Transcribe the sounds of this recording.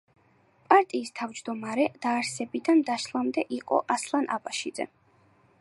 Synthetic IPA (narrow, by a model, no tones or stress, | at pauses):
pʼaɾt̪ʼiːst̪ʰavd͡ʒd̪ɔmaɾɛd̪̥aːɾsɛbid̪and̪aʃlˠamd̪ɛʔiqʼɔ̰ʔaslˠanʔapʼaʃid̪zɛ̰